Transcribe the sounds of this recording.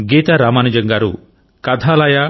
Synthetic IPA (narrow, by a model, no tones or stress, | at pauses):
ɡet̪aɾamanid͡ʒɐŋɡaɾu | kad̪ʱalaja